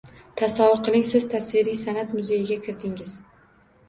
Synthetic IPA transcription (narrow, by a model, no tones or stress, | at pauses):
t̪ʰasavʊɾqʰɨlˠɪŋsɪz̥t̪ʰasviɾijsanat̪mʊze̞jɪɡʲakʲʰɪɾd̪ɪŋɪz̥